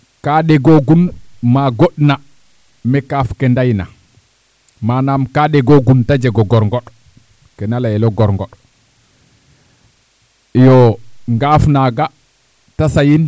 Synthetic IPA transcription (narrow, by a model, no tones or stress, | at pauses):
kaɗɛɡoɡunmaɡoɗna | mɛkafkɛndajna | manamkaɗɛɡoɡuntad͡ʒɛɡɔɡɔɾŋɡɔɗ | kɛnalajɛlɔɡɔɾŋɡɔɗ | jɔŋɡafnaɡa | tasajin